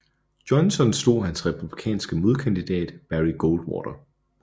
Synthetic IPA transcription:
d̥ɒ̽nsɒ̽nsd̥o̝̰ːɦænsʁɛpʰub̥likʰɛ̰ːnsɡ̥əmoðˠkʰænd̥id̥ɛ̰ːd̥b̥æʁiɡ̥old̥wɔ̰ːɾ̥ɐ

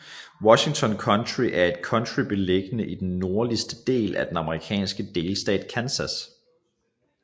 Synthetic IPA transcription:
wɒ̽ɕiŋt͡sʰɒ̽nkʰɒ̽ndʰʁiʔæɐe̝d̥̚kʰɒ̽ndʁib̥e̝leɡ̥ənəʔid̥enːo̝ɐlisd̥əd̥e̝̰ːlʔæd̥enɑ̈məʁikʰɛ̰ːnsɡ̥əd̥e̝ːlsd̥ɛ̰ːd̥kʰænsæs

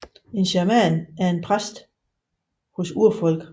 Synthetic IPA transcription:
e̝nɕæɐmænæɐe̝npʰʁasd̥ | hosuɐ̰fɒ̽l̰ɡ̥

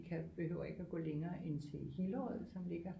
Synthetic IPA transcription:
kʰæb̥e̝høʊ̰ɐe̝ɡ̥æɡ̥ɔ̰ːleŋɐːʔe̝nt͡sʰe̝he̝ləɒð̩ˠsɒ̽mle̝ɡ̥ɐ

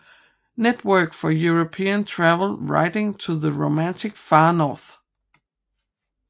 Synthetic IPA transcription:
nɛt̚wɜ˞kfəjuɹəpʰiɨ̃ntʰɹ̥ævl̩ˠɹa̰ɪɾɪ̃ŋtʰəðəɹoʊmæ̃ntʰɨkfɑnɔɹθ

